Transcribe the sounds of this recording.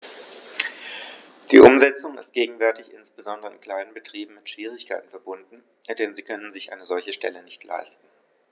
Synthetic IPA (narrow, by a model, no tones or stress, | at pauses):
d̥ḭːʔʊmzɛt͡sʊŋɪ̰st̚ɡ̥eːɡŋ̩vɛɐtɪçʔɪ̰nsb̥əzɔndəʁəɪnkl̥aɪnənbətʁ̥iːbm̩mɪtʃv̥iːʁ̞ɪçkʰaɪtn̩fɛɐbʊndn̩ | d̥ɛnziːkʰœnənzɪçʔa̰ɪnəzɔlçəʃtɛ̰lənɪçtʰla̰ɪstn̩